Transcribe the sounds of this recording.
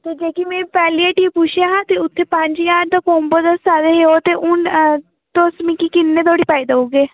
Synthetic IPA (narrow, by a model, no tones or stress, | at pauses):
t̪eːd͡ʒeːkimẽːpɛːliaʈiːpʊʃʰjaːɦãːt̪eːʊt̪ʰːeːpəɲd͡ʒjaːɾd̪õːkoːmbod̪əsaːd̪eːɦeːoːt̪eːʔʊn | t̪osmĩːkikɪnːẽːt̪oːɽiːpaːiːd̪aoːɡeː